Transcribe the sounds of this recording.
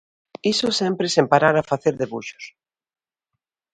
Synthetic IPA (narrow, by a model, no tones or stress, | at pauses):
isʊsɛmpɾesempaɾaɾafaθeɾðeβuʃo̥s